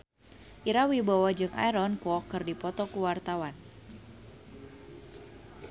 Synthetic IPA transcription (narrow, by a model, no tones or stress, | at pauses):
ʔiɾawibawad͡ʒɨŋa̰jɾɔnkɔkɨrdipɔt̪ɔkuwart̪awan